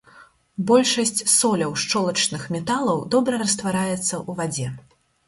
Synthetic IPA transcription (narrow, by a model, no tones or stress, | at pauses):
bɔlʲʂɐsʲt͡sʲsɔlʲɐwʂt͡ʂɔlˠɐt͡ʂnɨxmʲɛt̪alˠɐwd̪ɔbɾɐɾɐst̪vaɾajɛt̪sːɐʔuvad͡zʲɛ